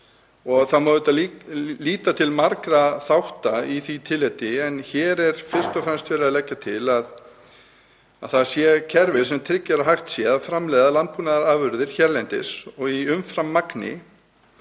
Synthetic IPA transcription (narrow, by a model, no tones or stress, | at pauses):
ɔɣθamaːvɪt̪alliːt̪at̪ʰɪlmaɾkɾaθawht̪aiθit̪ʰɪlːɛt̪ɪɛnçɛːɾɛɾ̥fɪr̥st̪ɔfɾɛmst̪fɛːɾɪðalɛcːat̪ʰɪlað | aðθaðsjɛcʰɛɾvɪ̥sɛmt̪ʰɾɪcːaɾaɦaxt̪sjɛðafɾamlɛjðalant̪̚puːnaðaɾaːvʏɾðɪɾ̥çɛɾlɛnt̪ɪ̰sɔɣiʏmfɾamːaknɪ̰